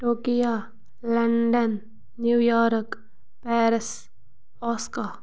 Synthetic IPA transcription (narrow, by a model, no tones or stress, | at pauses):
ʈoːkija | lɐɳɖənː | jujɔːɾk | pɛːɾɪs | ɔːska